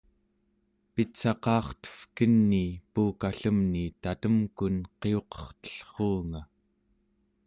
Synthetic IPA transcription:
pit̪sɑqɑːχt̪ə̥fkənːipuːkaɬəmnit̪at̪əmkunqe̞o̞qʌ̥χt̪ə̥ɬχoːŋa

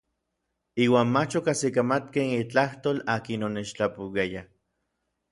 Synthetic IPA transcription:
iːwaːnmat͡ʃokasikamat̪keit͡ɬaht̪oːlaːkinonet͡ʃt͡ɬapuwaja

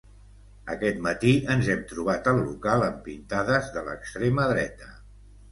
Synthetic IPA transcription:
əkɛt̪̚mət̪iənzɛmt̪ɾuβ̞at̪əlˠːukalˠəmpint̪aðəzðələ̰kst̪ɾeməðɾɛt̪ə

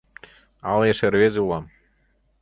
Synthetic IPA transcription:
ɑ̰lˠjeʃerβʲezeulˠɑm

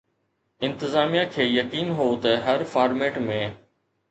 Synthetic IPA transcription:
ɪ̃nt̪ɪzaːmijakʰeːjɐkiːnɦoːt̪ɐɦɐɾfaːɾmeːʈmẽː

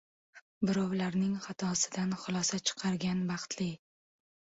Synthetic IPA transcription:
bɪɾɒwlaɾnɪŋχat̪ʰɒsɪd̪anχʊlˠɒsat͡ʃʰɨ̥qʰɑɾɡʲanbɑχt̪lɪ

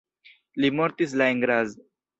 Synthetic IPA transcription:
limoɾt̪is̬laeŋɡɾaz

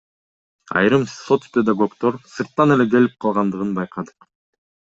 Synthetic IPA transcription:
ɑ̰jɾɯmso̞t̪spʲed̪aɡo̞kt̪o̞ɾsɯɾt̪ːɑne̞le̞ɡe̞lip̚qʰɑlˠʁɑnd̪ɯʁɯnbɑjqʰɑd̪ɯ̥q

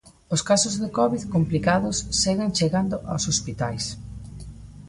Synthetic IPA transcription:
oskasʊzðekɔβiðkomplikaðʊsːeɣent͡ʃeɣand̪oʔawsospit̪ajs

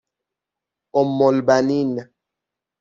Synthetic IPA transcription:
ɔmːɔlbanina

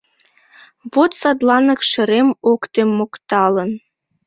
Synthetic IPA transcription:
βot̪sɑd̪lɑnɤ̆kʃə̆ɾemokt̪emːokt̪ɑlə̆n

